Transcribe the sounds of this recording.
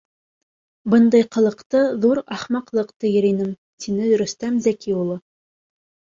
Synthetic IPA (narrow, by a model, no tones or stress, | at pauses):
bɤnd̪ɑjqɤ̆lˠɤ̆qt̪ɤðuɾɑχmɑqlˠɤqt̪ɤjɘ̆ɾinɘm | t̪ʰinɘɾɵ̆st̪æmzækiulˠɤ